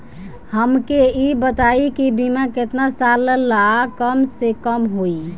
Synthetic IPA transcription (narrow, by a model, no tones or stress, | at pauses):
həmkeibət̪aikibimaket̪nasallakəmsekəmɦoi